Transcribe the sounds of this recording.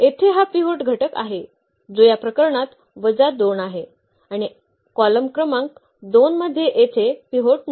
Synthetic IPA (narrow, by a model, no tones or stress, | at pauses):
et̪ʰeɦapiɦoʈɡʱəʈəka̰ɦe | d͡zojapɾəkəɾɳat̪ | ʋəd͡zad̪onaɦe | aɽ̃i | kɔləmkɾəmãŋk̚ | d̪onməd̪ʱːjeʔet̪ʰepiɦoʈ̚n